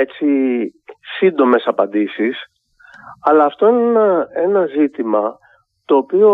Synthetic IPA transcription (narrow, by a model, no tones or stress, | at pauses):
e̞t͡si | sind̪o̞me̞sɐpɐnd̪isis | ɐlɐːft̪o̞ineenɐe̞nɐzit̪imɐ | t̪o̞ːpio̞